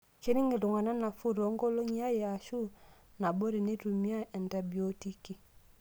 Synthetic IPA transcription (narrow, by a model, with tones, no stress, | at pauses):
ki˦ɾi˦ŋi˨lu˨ŋa˨na˦na˨fu˦ɾo˨˦ŋ˦ɡo˦lo˦ɲi˦a˦je˨a˨ʃu˦ | na˨bo˦ɾi˨ne˦tu˨mi˦a˦ʔe˨nta˨bi˨o˦ti˦ki˨